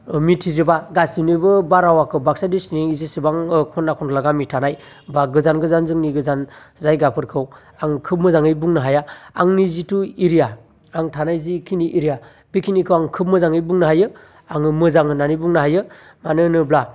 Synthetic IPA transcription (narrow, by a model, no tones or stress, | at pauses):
mitʰizɯbaɡasinɯbɯbaɾawakʰɯbak̚sadisniizisibaŋkʰɔnːakʰɔnlaɡamitʰanaj | baɡɯzanɡɯzanzɯŋniɡɯzan | zajɡapʰɯɾkʰɯw | aŋkʰɯp̚mɯzaŋɯjbuŋnaɦajaaŋnizituiɾijaː | ŋtʰanajzikʰiniʔiɾija | bikʰinikʰɯwaŋkʰɯp̚mɯzaŋɯjbuŋnɯɦajɯ | aŋɯmɯzaŋɯnanibuŋnaɦajɯ | manɯnɯbla